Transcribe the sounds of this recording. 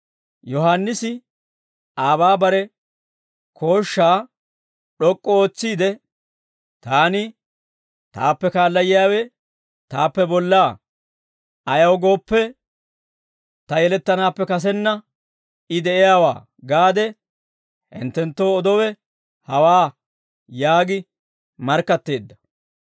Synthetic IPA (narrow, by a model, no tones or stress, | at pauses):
jɔɦanːɪsɪ | aːbaːbɐɾɛ | kʰo̞ːʃːaː | ɗɔkʼːɔoːt͡sːiːd̪ɛ | t̪aːnɪ | t̪a̰ːpːɛkaːlːɐjɪjaːwɛ | t̪aːpːɛbɔlːaː | ʔɐjɐwɡo̞ːpːɛ | t̪ɐjɛlɛt̪ːɐnaːpːɛkɐs̬ɛnːɐ | ɪd̪ɛʔɛjaːwa̰ː | ɡaːd̪ɛ | hɪ̰nt̪ːɛnt̪ːo̞ːɔd̪ɔwɛ | hɐwaː | jaːɡɪ | mɐɾkːɐt̪ːe̞ːd̪ːɐ̥